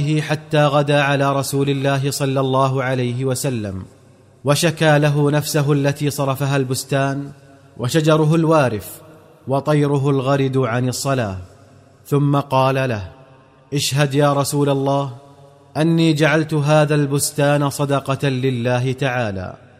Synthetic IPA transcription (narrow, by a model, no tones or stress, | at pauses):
ɪhɪħat̪ːaːɣad̪aːʕalaːɾˤɑsuːlɪlːaːɦɪsˤɑlːɑlˤːɑːɦʊʕalajɦɪwasalːa̰m | waʃakaːlaɦʊnafsaɦʊʔlːat̪iːsˤɑɾˤɑfaɦalbʊst̪aːn | wʔaʃad͡ʒɑɾˤʊɦʊlwaːɾɪf | wɑt̪ˤɑjɾʊɦʊlɣɑɾɪd̪ʕanɑsˤːɑlaːh | θʊmːaqɑːlalah | ʔɪʃɦad̪jaːɾˤɑsuːlalˤːɑːh | ʔanːiːd͡ʒaʕalt̪ʊɦaːðaːlbʊst̪aːnasˤɑd̪ɑqɑlɪlːaːɦɪt̪aʕaːla̰ː